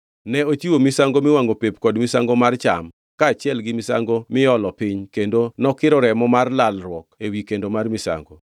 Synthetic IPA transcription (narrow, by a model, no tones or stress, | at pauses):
nɛot͡ʃiwomɪsaŋɡomɪwaŋɡopepkɔdmɪsaŋɡomart͡ʃa̰m | kaːt͡ʃɪɛlɡɪmɪsa̰ŋɡomɪjɔlɔpiɲkendonɔkɪɾɔɾɛmɔmarlalrwɔkewikendomarmisa̰ŋɡo